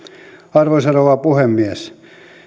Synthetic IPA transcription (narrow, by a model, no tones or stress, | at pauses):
ɑrʋosɑnoʋɑpuhemːiæs